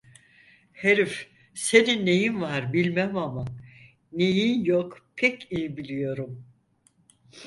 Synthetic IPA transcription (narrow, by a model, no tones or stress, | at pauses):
heɾif | seninːejinvaɾbilʲmæmama | nejinjokpʰɛcijibilʲijo̞ɾum